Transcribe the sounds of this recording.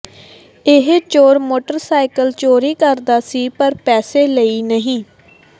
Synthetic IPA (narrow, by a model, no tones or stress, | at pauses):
ɪɦt͡ʃoːɾmoːʈəɾsaːɪkəlt͡ʃoːɾiːkəɾd̪aːsiːpəɾpɛːseːləiːnəɦĩː